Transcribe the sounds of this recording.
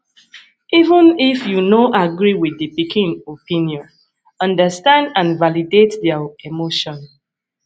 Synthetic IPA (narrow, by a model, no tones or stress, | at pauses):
ivə̃nifjunoʔaɡɹiwidipikĩnopĩnjɔ̃n | ʌ̃ndəstãndãnvalidetdaemoʃɔ̃n